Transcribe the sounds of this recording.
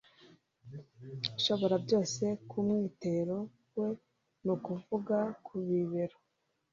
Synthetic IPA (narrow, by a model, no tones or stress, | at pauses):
iʃo̞βo̞ɾabɟo̞ːse̞kumŋiːte̞ɾo̞ | we̞ | nukuvuɡakʰuβiβeɾo